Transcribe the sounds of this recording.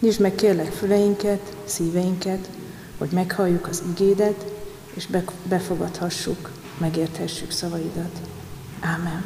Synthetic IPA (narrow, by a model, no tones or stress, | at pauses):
ɲiʒmɛkːeːrlɛkfylɛjiŋkɛt̪siːvɛjiŋkɛt̪ | ho̞ɟmɛkhɒjːukɒziɡeːd̪ɛt̪ | eːʃbɛfo̞ɡɒt̪hɒʃːuk | mɛɡeːrt̪hɛʃːyksɒvɒjid̪ɒt̪ | aːmːɛn